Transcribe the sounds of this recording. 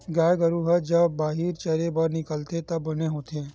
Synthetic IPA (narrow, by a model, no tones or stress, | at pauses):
ɡaːjɡɐɾuɦɐd͡ʒɐbbaːɦiɾt͡ʃɐɾebɐɾnɪkəlt̪et̪ɐbːɐneɦoːt̪e